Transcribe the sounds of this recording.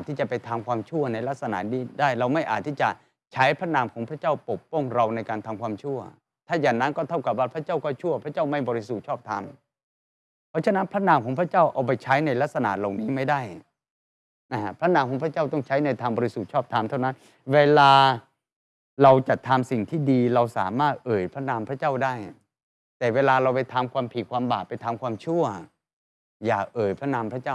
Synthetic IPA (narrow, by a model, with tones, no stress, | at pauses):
ʔa˨˩t̪ʰːiː˥˩t͡ɕa˨˩pa˧jt̪ʰaː˧mkʰwaː˧mt͡ɕʰu˥˩ɐna˧jla˦˥k̚sa˧na̰˨˩niː˥˩daː˥˩jɾa˧wma˥˩jʔaː˨˩t̪ʰːiː˥˩t͡ɕa˨˩ | t͡ɕʰa˦˥jpʰɾa˦˥naː˧mkʰɔː˩˦ŋpʰɾa˥˩t͡ɕa˥˩wpo˨˩pːɔ˥˩ŋɾa˧wna˧jkaː˧nt̪ʰaː˧mkʰwaː˧mt͡ɕʰu˥˩ɐ | t̪ʰaː˥˩jaː˨˩ŋna˦˥nkɔː˥˩t̪ʰa˥˩wka˨˩p̚waː˥˩pʰɾa˦˥t͡ɕa˥˩wkɔː˥˩t͡ɕʰu˥˩ɐpʰɾa˦˥˩t͡ɕaː˥˩wma˥˩jbɔː˧ɾi˦˥su˨˩t̪̚t͡ɕʰɔː˥˩p̚t̪ʰa˧m | pʰɾɔː˦˥˩t͡ɕʰa˧˥na˦˥npʰɾa˦˥naː˧mkʰɔː˨˩˦ŋpʰɾa˥˩t͡ɕa˥˩wʔa˨˧˩wp̬a˧jt͡ɕʰa˦˥jna˧jla˦˥k̚sa˧na̰ː˨˩t̪̚la˨˩ŋniː˦˥ma˥˩jda˥˩j | na˦˧˥a˥pʰɾa˦˥naː˧mkʰɔː˩˦ŋpʰɾa˦˥t͡ɕa˥˩wt̪ɔ˥˩ŋt͡ɕʰa˦˥jna˧jt̪ʰaː˧ŋbɔː˧ɾi˦˥su˨˩t̪̚t͡ɕʰɔː˥˩p̚t̪ʰa˧mt̪ʰa˥˩wna˦˥n | weː˧laː˧ | ɾa˧wt͡ɕa˨˩t̪ʰːaː˧msi˨˩ŋt̪ʰiː˥˩diː˧ɾa˧wsa̰ː˩˦maː˥˩t̪̚ʔɤː˨˩jpʰɾa˦˥naː˧mpʰɾa˦˥t͡ɕaː˥˩wdaː˥˩j | t̪ɛː˨˩weː˧laː˧ɾa˧wpa˧jt̪ʰaː˧mkʰwaː˧mpʰiː˨˩kʰwaː˧mbaː˨˩p̚pa˧jt̪ʰaː˧mkʰwaː˧mt͡ɕʰu˥˩ɐ | jaː˨˩ʔɤː˨˩jpʰɾa˦˥naː˧mpʰɾa˦˥t͡ɕaː˥˩˨